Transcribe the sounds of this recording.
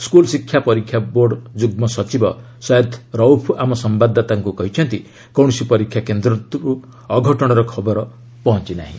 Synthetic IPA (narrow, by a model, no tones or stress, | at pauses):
skulsikʰːjapɔɾikʰjaboɾɖd͡ʒuɡmɔsɔt͡ʃibɔ | sɔjet̪ʰɾɔwpʰamɔsɔmbad̪ʱːat̪aŋkukɔɦit͡ʃʰɔnt̪i | kɔw̃sipɔɾikʰːjakend̪ɾɔt̪uɾu | ɔɡʱɔʈɔɽ̃ɔɾɔkʰɔbɔɾɔ | pɔɦɔnt͡ʃina̰ɦḭ̃